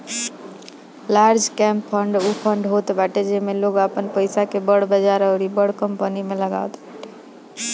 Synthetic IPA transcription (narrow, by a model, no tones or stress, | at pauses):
laɾd͡ʒkɛ̃mpʰəɳɖupʰəɳɖɦot̪baʈed͡ʒemeloɡəpənpəɪsakebəɽbəd͡ʒaɾəʊɾibəɽkəmpənimeləɡa̰wt̪baʈe